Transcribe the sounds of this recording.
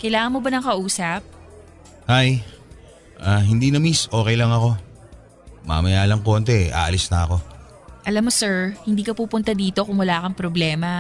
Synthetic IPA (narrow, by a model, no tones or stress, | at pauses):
kɐjlaːŋɐnmobɐnɐŋkɐʔuːsɐp̚ | haj | ʔaːɦɪnd̪inɐmisʔo̞ːkɛjlɐŋɐko̞ | ma̰mɐjaːlɐŋko̞ːnt̪ɛʔa̰ːʔɐlisnɐɐko̞ | ʔɐlamːosɛɹhɪnd̪iːkɐpuːpʊnt̪ɐd̪iːt̪o̞kʊŋmɐlaːkɐŋpɾoblɛːmɐ